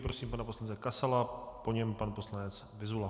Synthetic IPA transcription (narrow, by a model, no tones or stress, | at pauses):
pɾosiːmpanaposlant͡sɛkasalapoɲɛmpanpo̞slanɛt͡s | vɪzvula